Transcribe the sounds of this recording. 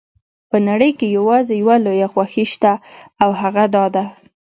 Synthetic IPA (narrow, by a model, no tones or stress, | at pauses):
pənaɽəjkejawɑzejawalojaxwaxiʃt̪aawhaɣad̪ɑd̪a